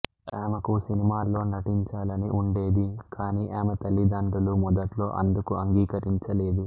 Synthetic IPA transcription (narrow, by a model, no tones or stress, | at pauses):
eːmɐkusinimaːlːo̞ːnɐʈiɲt͡ʃaːlɐniʔuɳɖeːd̪ikʰaːniːʔaːmɐt̪ɐlːid̪aːɳɖulumɔd̪ɐʈlo̞ːʔɐ̰nd̪ukuɐŋɡiːkɐɾiɲt͡ʃɐle̞ːd̪u